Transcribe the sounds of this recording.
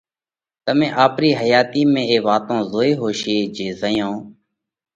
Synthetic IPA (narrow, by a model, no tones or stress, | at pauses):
t̪əmẽːʔaːpɾiːɦəjaːt̪iːmẽːeːʋaːt̪õːzoːeːɦoːʃeːd͡ʒeːzəjõː